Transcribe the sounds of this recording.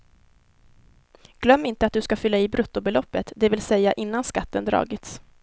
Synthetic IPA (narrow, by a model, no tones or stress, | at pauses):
ɡ̥lœmːɪnt̪əat̪d̪ɵskafʏlːaiːbɾʔɵt̪ːʊbɛlɔpːət̪d̪ɛvɪlsɛjːaʔɪnːanskat̪ːənd̪ɾɑ̰ːɡɪt̪s